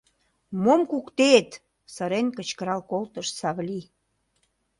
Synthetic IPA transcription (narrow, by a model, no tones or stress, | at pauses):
momkukt̪et̪ | sə̆ɾenkə̆t͡ɕkəɾɑlkolt̪əʃsɑβlʲi